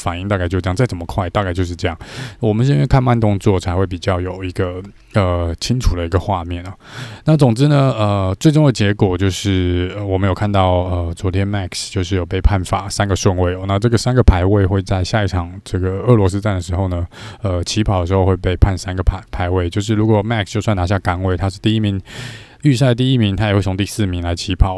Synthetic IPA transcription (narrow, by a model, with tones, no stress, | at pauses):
fa˨˩ni˥˧ŋt̪a˥˧ka˥˧ɪt͡ɕo˥˧˥jɑ˥˧t͡sa˥˩ɪə˨˩mə˦kʰwa˥ɪt̪a˥˧ka˥˧t͡ɕo˥˧ʊʂ̬ɻ̩˧ʈ͡ʂɤ˥˧jɑ˥˩ŋwɔ˨˩mə˦nʂ̬ɛ˥˧kʰa˥˧nma˥˧nt̪ʊ˥˧ŋt͡swɔ˥˩t͡sʰa˧˥ɪxwe˥˩ɪpi˨˩t͡ɕjɑ˥˩ʊjo˨˩ʊi˧˥ɡə˧ | ə˧t͡ɕʰi˥ŋʈ͡ʂʰu˨˩d̪ə˦i˧˥ɡə˧xwa˥˧mjɛ˥˩nə˩na˥˩t͡sʊ˨˩ŋʈ͡ʂɻ̩˥nə˨ə˧t͡swe˥˧ɪʈ͡ʂʊ˥˩ŋd̪ə˩t͡ɕjɛ˧˥kwɔ˨˩t͡ɕjo˥˧ʊʂɻ̩˥˩ə˧˩wɔ˨˩mə˦njo˨˩ʊkʰa˥˧nt̪ɑ˥˩ʊə˧t͡swɔ˧˥t̪ʰjɛ˥nma˥˩kst͡ɕjo˥˧ʊʂɻ̩˥˩jo˨˩ʊpe˥˧ɪpʰa˥˩nfa˨˩˦sa˥nɡə˨ʂwə˥˧nwe˥˩ɪɔ˨˦na˥˧ʈ͡ʂɤ˥˩ɡə˩sa˥nɡə˨˩pʰa˧˥ɪwe˥˧ɪxwe˥˧ɪt͡sa˥˧ɪɕja˥˧i˥˩ʈ͡ʂʰɑ˨˩ŋʈ͡ʂɤ˥˩ɡə˩ɤ˥˩lwɔ˧˥s̬ɹ̩˥ʈ͡ʂa˥˩nd̪ə˩ʂɻ̩˧˥xo˥˩ʊnə˩ə˧t͡ɕʰi˧˥pʰɑ˨˩ə˩ʂɻxo˥˧ʊxwe˥˧ɪpe˥˧ɪpʰa˥˩nsa˥nɡə˨˩pʰa˧˩pʰa˧˥ɪwe˥˩ɪt͡ɕjo˥˧ʊʂ̬ɻ̩˥˩ɻu˧˥kwɔ˨˩ma˥˧kst͡ɕjo˥˧ʊswa˥˩na˧˥ɕja˥˩ka˥nwe˥˩ɪt̪ʰa˥ʂ̩˥˧t̪i˥˩i˥mi˧˥ŋ | y˥˧s̬a˥˩ə˩t̪i˥˧i˥mi˧˥ŋt̪ʰa˥jxwe˥˩t͡sʰʊ˧ŋ˥t̪i˥˧sɹ̩˥˩mi˧˥ŋla˧˥ɪt͡ɕʰi˧˥pʰɑ˨˩˦